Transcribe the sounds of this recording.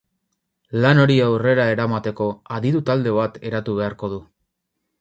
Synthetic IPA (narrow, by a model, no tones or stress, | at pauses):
lano̞ɾiawre̞ɾae̞ɾamat̪e̞ko̞aðiðut̪ald̪e̞β̞at̪e̞ɾat̪uβ̞e̞aɾko̞ð̞u